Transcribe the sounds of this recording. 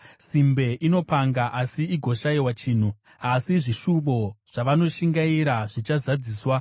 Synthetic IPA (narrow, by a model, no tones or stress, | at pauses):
simbe̞ʔino̞paŋɡaʔasiiɡʱo̞ʃaiwat͡ʃiːn̤u | asiʐiʃuʋo̞ʐ̥aʋano̞ʃiŋɡaiɾaʐit͡ʃazad͡ziːswa